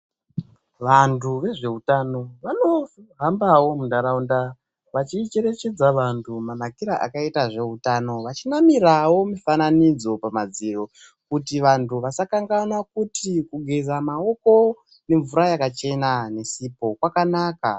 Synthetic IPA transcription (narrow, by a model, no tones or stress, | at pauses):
ʋantʰuʋe̞ʐe̞utano̞ʋano̞ɦambawo̞mundaɾaunda | ʋat͡ʃit͡ʃe̞ɾe̞t͡ʃe̞d͡zaʋantʰumanakiɾaʔa̰kaitaʐe̞utano̞ʋat͡ʃinamiɾawo̞mifananid͡zo̞pamad͡ziro̞ | kutiʋantʰuʋasakaŋɡanwakutikuɡʱezamao̞ko̞ | ne̞ɱvuɾajakat͡ʃe̞nane̞siːpo̞kwakanaːka